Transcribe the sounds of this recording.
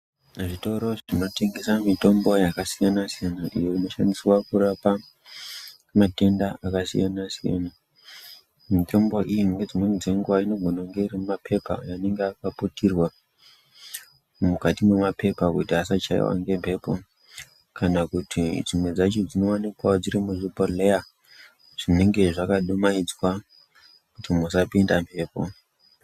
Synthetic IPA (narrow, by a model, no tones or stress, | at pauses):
ʐito̞ɾo̞ʐino̞teŋɡesamito̞mbo̞jakasijanasijanaʔḭjo̞ino̞ʃandiswakuɾapa | mate̞ndaakasḭjanasija̰na | mito̞mbo̞ʔijiŋɡe̞d͡zimwenud͡zeŋɡuwaino̞ɡʱo̞naŋɡe̞irimumapʰe̞pa̰jane̞ŋɡeakaputirwa | mukatimwemape̞pakutiasat͡ʃa̰ḭwa̰ŋɡe̞mpe̞ːpo̞ | kanakutʰid͡zimwe̞d͡zat͡ʃo̞d͡zino̞wanikwad͡ziɾimuʐipoleja | ʐ̥ine̞ŋɡe̞ʐakaɗumaid͡zwa | kutimusapindampʰe̞ːpo̞̰